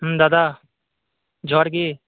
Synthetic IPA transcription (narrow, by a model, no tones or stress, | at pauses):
d̪aːd̪aː | d͡ʒʱoːɾɡiː